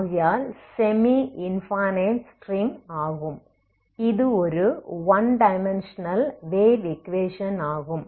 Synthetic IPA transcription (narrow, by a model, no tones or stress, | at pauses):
ɣjaːlsemiinfɐːneːnsʈriŋaːɣum | iðɯoɾuʋɐnɖɐjmenʂɐnɐlʋeːʋikʋeːʂɐnaːɣum